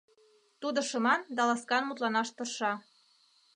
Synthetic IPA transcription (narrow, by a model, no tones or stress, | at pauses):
t̪ud̪ɤ̆ʃɤ̆mɑnd̪ɑlɑskɑnmut̪lɑnɑʃt̪ɤ̆rʃɑ